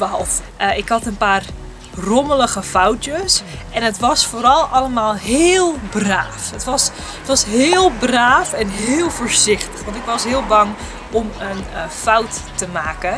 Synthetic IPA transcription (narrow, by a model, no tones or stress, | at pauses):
ʋɔlˠtɪkhɑtənpaːr | rɔmələɣəfawtjəs | ʔɛnətʋɑsfoːɾɑlˠɑləmaːlˠɦɪːlˠbraːfətʋɔs | ətʋɑsɦɪːlˠbraːfɛnɦɪːlˠfoːɹzɪxtə̥xʋɑntɪkʋɑsɦɪəlˠbɑŋ | ɔmənfawtːəmaːkə